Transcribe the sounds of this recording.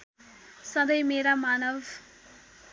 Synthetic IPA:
sʌd̪ʌjmeɾamanʌb

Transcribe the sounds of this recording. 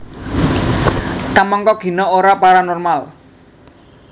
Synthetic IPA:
t̪amɔŋkɔɡ̥i̤nɔoɾapaɾanɔrmal

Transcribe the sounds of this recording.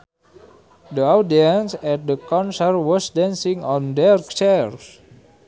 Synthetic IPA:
dəawdiə̃nsɛt̚dəkɔ̃nsərwɔsdɛ̃nsĩŋɔ̃ndɛɹt͡ʃɛɹs

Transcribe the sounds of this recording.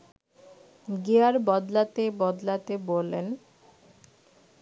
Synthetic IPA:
ɡeaɾbɔd̪lat̪ebɔd̪lat̪ebolːen

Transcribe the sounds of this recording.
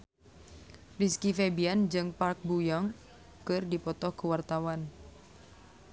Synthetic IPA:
riskifɛbiand͡ʒɨŋpark̚bujɔŋ | kɨrdipɔt̪ɔhkəwart̪awan

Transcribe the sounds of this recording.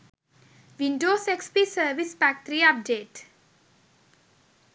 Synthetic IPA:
ʋinɖoːsekspisəʋispak̚t̪ɾiap̚ɖeːʈ

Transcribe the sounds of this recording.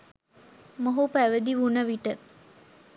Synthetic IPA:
moɦupæʋəd̪iʋunəʋiʈə

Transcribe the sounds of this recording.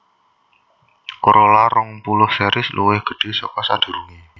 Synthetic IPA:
koɾolaɾɔŋpulʊhsɛɾʔɪslʔuwɪhɡ̥ə̤ɖ̥e̤sɔkɔsad̪̥ṳɾuŋi

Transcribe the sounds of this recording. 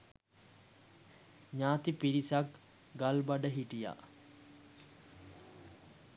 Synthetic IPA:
ɲaːt̪ipiɾisak | ɡalbaɖəɦiʈija̰

